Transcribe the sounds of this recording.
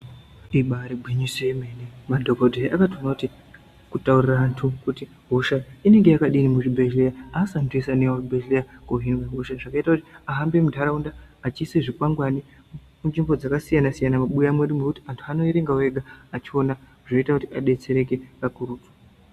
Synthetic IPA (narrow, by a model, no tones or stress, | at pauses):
iɓaɾebʱwiɲisoemenemadʱokodʱeʔakatonakuti | kutauriraːntʰukuti | ɦoʃaine̞ŋɡe̞jakaɗinimuʐibʱeʒlejaasantʰuesanewaʐibʱeʒlejakoɦinweɦoʃaʐakaitakutiaɦambe̞mudʱaɾaundaːt͡ʃiseʐikwaŋɡwani | munʐimbo̞d͡zakasijanasijanamaɓujamweɾimwekuti̥antʰuano̞iɾeŋɡawe̞ɡʱaːt͡ʃio̞na | ʐ̥o̞itakutiaɗe̞t͡se̞ɾe̞ke̞pakuɾuːtu̥